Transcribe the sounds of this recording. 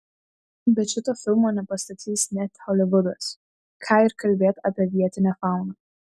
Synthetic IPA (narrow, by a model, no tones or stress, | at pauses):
bʲɛt̪ʃʲɪt̪oːfʲɪlʲˠmoːnʲɛpɐst̪ɐt̪ʲiːsnʲɛt̪hɔlʲɪʋʊd̪ɐs | kʰɑːɪɾkɐlʲbʲeːt̪aːpʲiɛʋʲiɛt̪ʲɪnʲɛfɑˑʊnɐ